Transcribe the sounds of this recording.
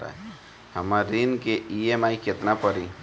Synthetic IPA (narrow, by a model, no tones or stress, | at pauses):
a̰e | həmaɾinkeiemaːiket̪napəɾi